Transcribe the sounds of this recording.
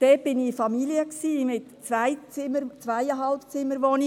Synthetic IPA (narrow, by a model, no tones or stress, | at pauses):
d̥ɛt̚b̥ɪnifɑmiliəksiːmɪtt͡sʋæɪt͡sɪməɾt͡sʋæjəɦɑlpt͡sɪməɾʋoni